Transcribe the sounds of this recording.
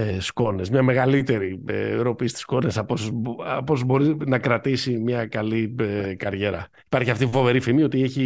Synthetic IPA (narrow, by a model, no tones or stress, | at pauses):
sko̞ne̞zmɲɐme̞ɣɐlit̪e̞ɾiḛɾo̞pisi̥t̪i̥sko̞nesɐposɐpo̞zbo̞ɾinɐkɾɐt̪isimɲɐkɐliekɐɾʝe̞ɾɐ | ipɐɾçiɐft̪ifo̞ve̞ɾifimio̞t̪ieçi